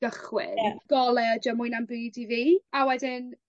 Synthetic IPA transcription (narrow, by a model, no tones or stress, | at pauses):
ɡ̥əχwɪ̰aɡ̥ɔlˠɛɔd͡ʒɔmʊɨjnambɨːdiviːawɛdɪn